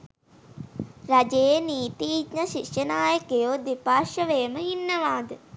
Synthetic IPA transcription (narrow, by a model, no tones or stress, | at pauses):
ɾad͡ʒeeniːt̪iːd͡ʒɲɐʃikʂɐnaːjəkejoːd̪ipaːʃəʋeːməɦinːɐʋaːd̪ə